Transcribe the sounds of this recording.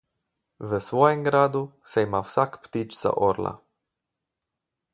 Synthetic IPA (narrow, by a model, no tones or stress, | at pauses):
ʋəsʋojɛmɡɾaːd̪useimawsakpt̪it͡ʃza̰ʔoɾla̰